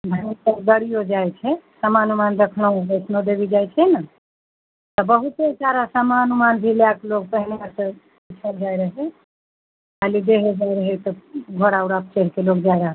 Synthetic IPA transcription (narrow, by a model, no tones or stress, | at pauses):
bʱansəɡəɽijod͡ʒajt͡ʃʰɛsəmanumand̪ekʰnoəsnod̪ebid͡ʒajt͡ʃʰɛna | t̪ɔbəɦut̪ːesaɾasəmanumanbʱiljaklok̚pəɦineasə | it͡ʃʰəld͡ʒajɾəɦɛ | kalid̪eɦɛd͡ʒajɾəɦɛt̪ɔɡʱoɽauɾap̚t͡ʃeɾkelokd͡ʒajɾəɦ